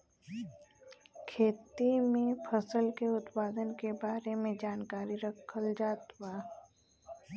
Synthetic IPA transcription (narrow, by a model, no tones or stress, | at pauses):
kʰeːt̪imẽpʰəsəlkeʊt̪paːd̪ənkebaːɾemẽd͡ʒaːnkaːɾiɾəkʰəld͡ʒaːt̪waː